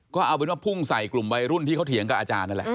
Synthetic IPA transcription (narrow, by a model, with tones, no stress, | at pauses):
kɔː˥˩ʔaː˧p̬e˧˦waː˥˩pʰu˥˩ŋsa˨˩jklu˨˩mwa˧jɾu˥˩nt̪ʰiː˥˩kʰtʰi˨˩˦əŋka˨˩ʔaː˧t͡ɕaː˧nːa˥˩lɛ̰˨ʔ